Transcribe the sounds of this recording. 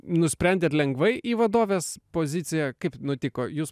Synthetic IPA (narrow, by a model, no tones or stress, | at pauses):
nʊsʲpʲɛnʲd̪ʲeːt̪lʲɛŋɡʋɐɪʔiːʋɐd̪oːʋʲeːspoːzʲɪt̪sʲɪjɛkɐɪpnʊt̪ʲɪkoːjuːs